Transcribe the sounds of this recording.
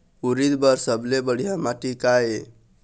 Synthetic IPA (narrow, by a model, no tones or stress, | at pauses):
uɾid̪bəɾsəblebəɽ̤ijamaʈikae